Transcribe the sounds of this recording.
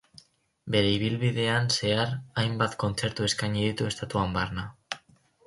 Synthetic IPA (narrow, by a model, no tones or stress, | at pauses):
be̞ɾe̞iβ̞ilβiðe̞anse̞aɾajmbat̪ko̞nt͡se̞ɾt̪ue̞skaɲiðit̪ue̞st̪at̪uambarna